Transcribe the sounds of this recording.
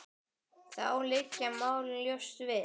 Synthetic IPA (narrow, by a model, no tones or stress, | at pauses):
θa̰wlɪcːamaːwlljowst̪vɪ